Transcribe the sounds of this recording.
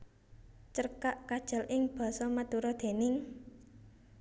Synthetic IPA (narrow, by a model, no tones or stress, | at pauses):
t͡ʃərkaʔkad̥ʒ̥a̤lʔɪŋb̥ɔ̤sɔmad̪̥uɾɔd̪̥e̤nɪŋ